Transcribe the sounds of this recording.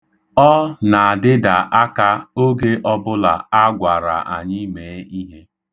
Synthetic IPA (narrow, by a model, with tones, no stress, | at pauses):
ɔ˦na˨a˨dɪ˦da˨ʔa˦ka˦o˦ɡe˦ʔɔ˦bʊ˦la˨a˦ɡʷa˨ɾa̰˨ʔa˨ɲɪ˦me˨˦i˦ɦe˦